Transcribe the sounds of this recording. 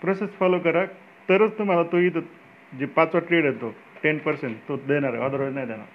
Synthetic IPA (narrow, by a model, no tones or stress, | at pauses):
pɾosesfɔlokəɾa | t̪əɾət͡st̪um̤alat̪oit̪ot̪ | d͡ʑipãt͡sʋaʈɾeɽet̪o | ʈenpəɾseɳʈt̪od̪eɽ̃aɾə̰ad̪əɾʋod͡znajd̪ena̰ɾ